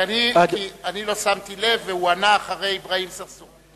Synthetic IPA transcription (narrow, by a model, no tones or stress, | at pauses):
anikianilo̞samt̪ile̞vːeuanaːχaʁe̞jbʁaimsaʁsu